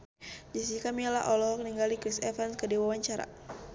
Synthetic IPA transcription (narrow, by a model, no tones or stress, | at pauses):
d͡ʒasikamiala̰ɦʔɔlɔɦɔk̚niŋɡalikɾisɛfanskədiwawaɲt͡ʃaɾa̰